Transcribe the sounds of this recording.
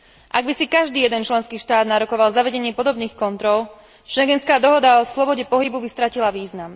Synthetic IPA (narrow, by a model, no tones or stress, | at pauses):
ʔaɡbisikaʒd̪iːjɛd̪ɛnt͡ʃlɛnskiːʃt̪aːd̪naɾɔkɔʋalzaʋɛɟɛɲɪɛpɔd̪ɔbniːxkɔnt̪ɾɔl | ʃɛŋɡɛnskaːd̪ɔɦɔd̪aɔslɔbɔɟɛpɔɦibubist̪ɾacilaʋiːznam